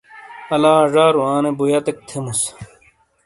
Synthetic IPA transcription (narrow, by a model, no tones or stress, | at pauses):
ɐlaːʐaːɾuwaːnebujɐt̪ek̚t̪ʰemus